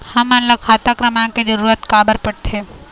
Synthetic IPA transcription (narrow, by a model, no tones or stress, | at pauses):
hɐmɐnləɡkʰaːt̪akɾəmãked͡ʒəɾuːɾət̪kaːbəɾpəɽt̪ʰeː